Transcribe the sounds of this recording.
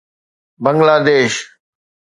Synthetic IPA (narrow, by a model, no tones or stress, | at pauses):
bəŋɡlaːd̪eːʃ